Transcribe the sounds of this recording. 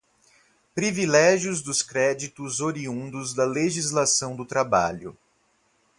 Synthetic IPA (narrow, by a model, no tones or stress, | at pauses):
pɾivilɛʒjʊzd̪ʊskɾɛd͡ʒit̪ʊzoɾiũnd̪ʊzd̪ɐleʒizlasɐ̃w̃d̪ʊt̪ɾaba̰ʎʊ̰